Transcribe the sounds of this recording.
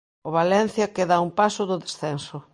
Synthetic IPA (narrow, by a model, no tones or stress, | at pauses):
oβalɛn̟θjɐkeðaumpasʊðʊðesθɛnso